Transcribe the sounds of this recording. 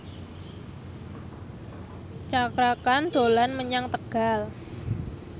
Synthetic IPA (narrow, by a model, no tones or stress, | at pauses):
t͡ʃakɾakand̪̥o̤lanməɲaŋt̪əɡ̥a̤l